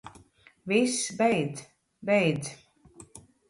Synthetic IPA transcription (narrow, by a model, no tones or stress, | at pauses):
visbɛjd̪z | bɛjd̪z